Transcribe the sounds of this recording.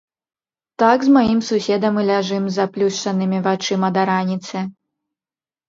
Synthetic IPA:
t̪aɡzmajimsusʲɛd̪ɐmɨlʲaʐɨmzɐplʲuʂt͡ʂɐnɨmʲivat͡ʂɨmɐd̪aɾanʲit̪sɛ

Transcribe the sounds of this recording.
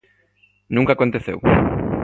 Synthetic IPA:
nũŋkakont̪eθḛw

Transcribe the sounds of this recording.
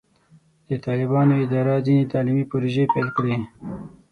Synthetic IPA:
d̪̥ət̪ɑːlɪbɑnoɪd̪ɑːɾɑzinet̪ɑːlimipoɾoʒepelkɽe

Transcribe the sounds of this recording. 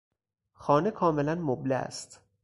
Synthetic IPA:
xɒːnekʰɒːme̞lænmoblææ̰st̪

